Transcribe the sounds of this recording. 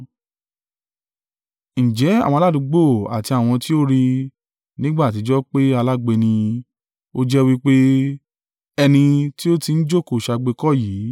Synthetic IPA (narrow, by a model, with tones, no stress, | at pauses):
ñ̩˨d͡ʒɛ˨˦a̰˦˨wɔ̃˧la˦dũ˧ɡ͡bo˦˨a̰˨ti˧a˨w̃ɔ̃˧ti˦o˦ɾi˧ | nĩ˦ɡ͡ba˦˨ti˨˧˦d͡ʒɔ˦k͡pe˦a˧la˦ɡ͡be˧nĩ˧ | o˦d͡ʒɛ˦˧wi˦k͡pe˦ | ɛ˧nĩ˧ti˦o˦ti˧n̩˦d͡ʒo˦˨ko˨ʃa˧ɡ͡be˧kɔ˦˨jiː˨˦